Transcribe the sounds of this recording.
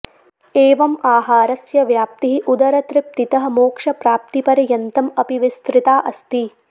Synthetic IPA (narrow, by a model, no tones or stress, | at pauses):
eːʋɐmaːɦaːɾɐsjɐʋjaːp̚t̪iɦiʔud̪ɐɾɐt̪ɾɪp̚t̪it̪ɐɦɐ̆moːkʂɐpɾaːp̚t̪ipɐɾɐjɐnt̪ɐmɐpiʋist̪ɾɪt̪aːʔɐst̪i